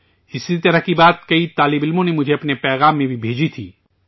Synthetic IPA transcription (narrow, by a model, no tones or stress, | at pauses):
ɪsit̪ɐɾəɦkibaːt̪̚kɐit̪aːlɪbɪlmõnemʊd͡ʒʱeɐpnepɛːɣaːmːẽbʱibʱeːd͡ʒit̪ʰiː